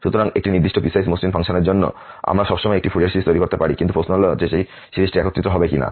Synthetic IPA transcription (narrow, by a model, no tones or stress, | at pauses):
ʃut̪ɔɾaŋek̚ʈiniɾd̪iʃʈɔpisajsmoslinpʰaŋʃɔneɾd͡ʒonːɔ̰ | a̰mɾaʃɔbʃɔmɔjekʈipʰuɽiaɾsiɾist̪ojɾikoɾt̪epaɽikint̪upɾosnɔld͡ʑeʃej | ʃiɾisʈiɛkɔt̪ːit̪ːɾɔɦɔbekina̰